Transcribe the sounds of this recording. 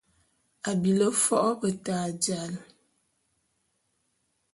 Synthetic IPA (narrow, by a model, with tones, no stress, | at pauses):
a˨bi˨lə˦fɔ˦ʔɔ˦bə˨taː˨d͡ʒa˨l